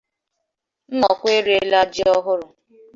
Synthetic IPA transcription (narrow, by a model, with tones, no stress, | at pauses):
n̩˦nɔ˨kʷe˦ɾe˦la˦d͡ʒɪ˦ɔ˦ɦʊ˦ɾʊ˨